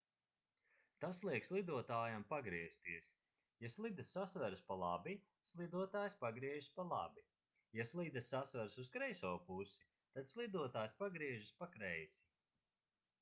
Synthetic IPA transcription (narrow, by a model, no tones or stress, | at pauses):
t̪aslˠiɛkslˠid̪uɔt̪aːjampaɡɾiɛst̪iɛs | jaslˠid̪asːasvæɾspalˠabi | slˠid̪uɔt̪aːjspaɡɾiɛʒspalˠa̰bi | jaslˠid̪ɐsːasvæɾsuskɾɛjsɔːpusi̥ | t̪ad̪slˠid̪uɔt̪aːjspaɡɾiɛʒispakɾɛjsi̥